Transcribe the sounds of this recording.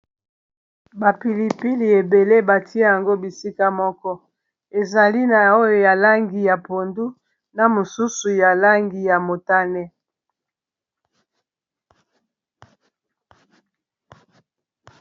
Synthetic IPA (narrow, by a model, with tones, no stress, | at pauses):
ba˨pi˨li˨pi˦li˨e˨be˨le˦ba˨ti˦e˦ja˨ŋɡo˦bi˨si˦ka˦mɔ˦kɔ˦ | e˨za˨li˦na˨o˦jo˨ja˨la˦ŋɡi˨ja˨po˨ndu˦ | na˨mo˨su˦su˨ja˨la˦ŋɡi˨ja˨mo˨ta˦nɛ˦